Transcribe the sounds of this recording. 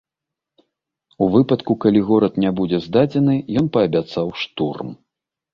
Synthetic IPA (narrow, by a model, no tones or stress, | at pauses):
uvɨpɐt̪kukalʲiɣɔɾɐt̪nʲɛbud͡zʲɛzd̪ad͡zʲɛnɨjɔnpɐːbʲat̪sawʂt̪urm